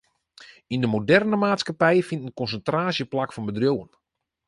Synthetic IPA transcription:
indəmodɛrnəmaːtskapɛjəfintənkɔnsəntraːsjəplakfɔnbədrjowən

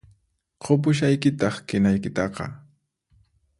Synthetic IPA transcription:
qʰop̬ʊʃ̬ajkɪt̪ɑχkɪnajkɪt̪ɑqɑ̰

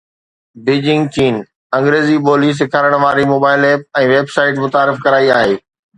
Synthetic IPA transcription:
bɪːd͡ʑɪ̃ŋɡt͡ɕiːn | ɐ̃ŋɡɾeːzipoːliːs̬ɪkʰaːɾəɽ̃ʋaːɾimoːbaːɪleːp̚ɛ̃ːʋeːbsaːɪʈmʊt̪aːɾɪfkɐɾaːiaːɦeː

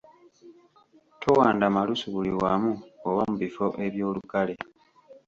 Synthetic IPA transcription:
tʰo̞waːndamalusuβuliwamuoβamuβifo̞ʔe̞βjo̞ːlukale̞

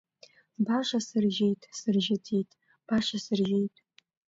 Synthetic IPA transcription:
baʂasɨrʒejtʼsɨrʒɪtʰijtʼ | b̥aʂasɨrʒejtʼ

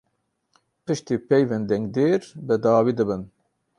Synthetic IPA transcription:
pɨʃt̪iːpɛjvɛnd̪ɛŋɡd̪eːɾbɨd̪aːwiːd̪ɨbɨn

